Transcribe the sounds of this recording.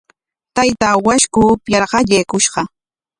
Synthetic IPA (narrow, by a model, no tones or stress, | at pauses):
t̪ajt̪aːwaʃkuːpjɑɾɢɑʎejkʊʃɢɑ